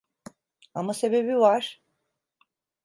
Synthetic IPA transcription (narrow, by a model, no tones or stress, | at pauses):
amase̞be̞bivaɾ̥